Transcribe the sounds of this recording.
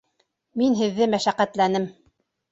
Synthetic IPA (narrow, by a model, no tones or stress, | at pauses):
minɦɘ̆ðːɘmæʃæqæt̪lænɘm